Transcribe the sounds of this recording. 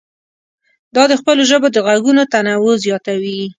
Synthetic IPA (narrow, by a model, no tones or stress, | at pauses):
d̪ɑd̪əxpəloʒəbod̪əɣaɡunot̪anawozjɑt̪awi